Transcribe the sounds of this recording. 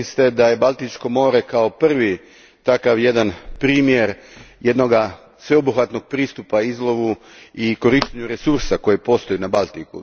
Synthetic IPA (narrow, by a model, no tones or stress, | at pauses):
ist̪e̞d̪aje̞balˠt̪it͡ʃko̞mo̞ːɾe̞kao̞pr̩ʋi | t̪akaʋje̞d̪anpɾiːmje̞ɾje̞d̪no̞ɡa | sʋe̞obuxat̪no̞ɡ̥̚pɾiːst̪upaizlˠo̞ʋu | iko̞ɾiʃt̪eɲuɾe̞suɾsako̞jepo̞st̪o̞jenabalˠt̪ikṵ